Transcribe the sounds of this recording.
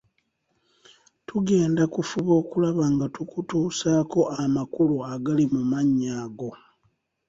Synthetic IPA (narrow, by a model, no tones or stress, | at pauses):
tʰuɡe̞ːndakufuβo̞ːkulaβaŋɡatukutuːsaːko̞ʔamakuluaɡalimumaɲːaːɡo̞